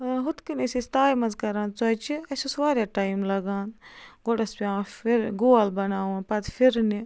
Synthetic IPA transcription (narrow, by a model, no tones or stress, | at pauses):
ɦut̪kinesist̪aːjmɐnzkɐɾãːnt͡sɐːt͡ʃiɐsʲosʋaːɾjaːʈaːimlɐɡaːnɡoɖɐspiãːfiɾɡoːɐlbɐnaːwnpɐt̪fʰiɾni